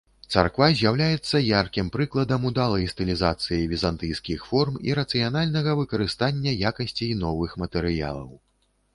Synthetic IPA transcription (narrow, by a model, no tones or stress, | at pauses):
t̪sa̰rkvazʲjawlʲajɛt̪sːɐjarkʲimpɾɨklˠɐd̪ɐmud̪alˠɐjst̪ɨlʲizat̪sɨjivʲizant̪ɨjskʲixfɔrmḭɾɐt̪sɨjanalʲnɐɣɐvɨkɐɾɨst̪anʲːɐjakɐsʲt͡sʲijnɔvɨxmɐt̪ɛɾɨja̰lˠɐ̰w